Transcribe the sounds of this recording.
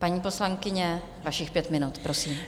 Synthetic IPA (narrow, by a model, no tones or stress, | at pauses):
paɲiːpo̞slaŋkɪɲɛ | vaʃɪxpjɛt̪mɪnut̪pɾo̞siːm